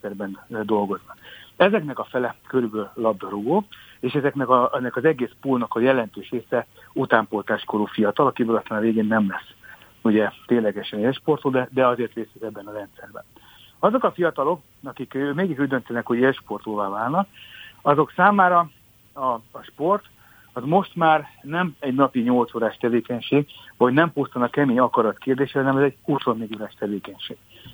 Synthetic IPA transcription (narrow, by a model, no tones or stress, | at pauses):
nsɛrbɛnd̪o̞lɡo̞znɒkɛzɛknɛkɒfɛlɛkøɾybøːlːɒb̚d̪ɒɾuɡoːeːʃɛzɛknɛkɒnːɛkɒzɛɡeːspuːlnɒkɒjɛlɛnt̪øːʃɾeːsɛ | ut̪aːmpo̞lt̪aːʃkoɾuːfijɒt̪ɒlɒkibøːlɒst̪aːnɒveːɡeːnːɛmlɛs | uɟɛt̪eːnlɛɡɛʃɛneːlʃport̪oːd̪ɛd̪ɛɒzeːrt̪ʋeːsɛzɛbːɛnɒɾɛnt̪sɛrbɛ̰n | ɒzo̞kɒfijɒt̪ɒlo̞k | ɒkikømeːɡiʃuɟd̪ø̞nt̪ɛnɛkho̞ɟeːlʃpo̞rt̪oːvaːvaːlnɒkɒzo̞ksaːmaːɾɒ | ɒʃpo̞rt̪ | ɒzmo̞ʃt̪maːrnɛmɛɟnɒpiɲolt̪soːɾaːʃt̪ɛveːkɛɲʃeːɡɒɟnɛmpust̪ɒnɒkɛmeːɲɒkɒɾɒt̪keːrd̪eːʃɛɦɒnɛmɛzɛɟhuso̞nːeɡoːɾaːʃt̪ɛveːkɛɲʃeːɡ̥